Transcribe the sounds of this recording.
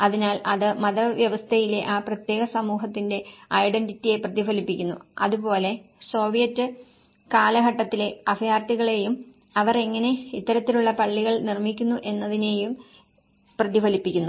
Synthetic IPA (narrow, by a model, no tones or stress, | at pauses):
ɐðinaːlɐðɨmɐðɐʋjɐʋɐst̪ʰɐjile̞ʔaːprɐt̪je̞ːɣɐsɐmuːɦɐt̪ːinde̞ɐjɖenɖitːije̞prɐðifɐlipːikʲːunːuɐðupo̞ːle̞so̞ːʋijɐtːɨ | kaːlɐɦɐʈːɐt̪ːile̞ɐfijaːrt̪iɣɐɭe̞jum | ɐʋɐre̞ŋːɐne̞it̪ːɐɾɐt̪ːiluɭːɐpɐɭːiɣɐɭnirmikʲːunːuʔe̞nːɐðine̞ːjum | prɐðifɐlipːikʲːunːu